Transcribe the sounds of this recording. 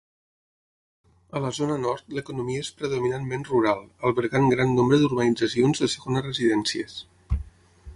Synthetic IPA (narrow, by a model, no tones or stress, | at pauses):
ələzonənɔɾt̪ləkunumiəespɾəðuminanmẽnruɾalˠəlˠβəɾɣaŋɡɾanːombɾəðuɾβənid͡zəsionzðəsəɣonərəziðɛnsiəs